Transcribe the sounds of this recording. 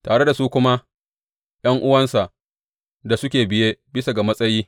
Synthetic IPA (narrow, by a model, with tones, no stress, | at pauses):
taː˨ɽe˦da˨su˦kʷʊ˦ma˦ | j̰ɐ˦ŋʔʊ˦wɐ˦nsa˨ʔ | da˨sʊ˦kʲeː˨bɪ˦jeː˦bɪ˦sa˨ɡa˨mɐ˦sʼɐ˦jiː˦